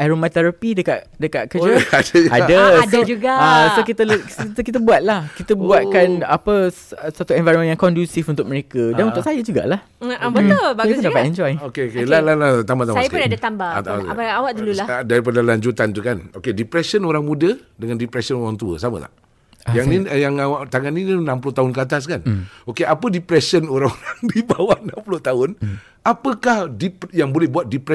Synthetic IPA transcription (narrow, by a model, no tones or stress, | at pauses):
aɾomat̪ɛɾapidəkaʔ | dəkaʔ̚kəd͡ʒaad͡ʒəaədd͡ʒuɡaasokit̪əlit̪əkit̪̬əbuat̪̚lahkit̪əbuat̪̚kanapəssat̪uɛ̃nvajɾɔmə̃njaŋkɔndjusifunt̪ʊk̚məɾekədanunt̪ʊkʔsajəd͡ʒuɡa̰ʔlah | bəbaijəpundapat̪ɛɲd͡ʒɔjokeokelalalat̪ambat̪amsajəkunadat̪ambaaaabaawaʔdululadaɾip̬adalaɲd͡ʒut̪ant̪ukanokedipɾɛsənoɾaŋmũdədəŋandipɾɛsənoɾaŋt̪uə̰samə̰t̪a̰ʔ | jaŋnijaŋawaʔt̪aŋanːinnãmpulʊht̪aɦʊnkat̪̬as̬kanokeʔapədipɾɛsənoɾaŋoɾaŋdibawanamplʊht̪aɦʊn | apəkahdipjaŋbolɛhbuat̪̚dipɾɛ